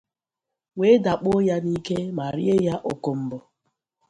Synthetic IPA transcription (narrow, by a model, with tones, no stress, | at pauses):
we˦da˨k͡po˦ja˦ni˦ke˦ma˨ɾḭ˦e˦ja˦ʔo˨ko˨m̩˦bʊ˨